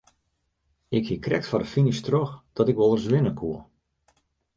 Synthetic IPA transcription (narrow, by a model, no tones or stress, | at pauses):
ɪkhikrɛ̰k̚tfɔɾəfinistroxd̥ɔtɪkʋɔlˠərsʋɪnəkʰuə